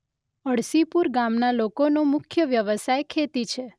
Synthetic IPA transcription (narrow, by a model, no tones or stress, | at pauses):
əɽsipuɾɡamnalokonomʊkʰjəʋjəʋəsajkʰet̪it͡ʃʰe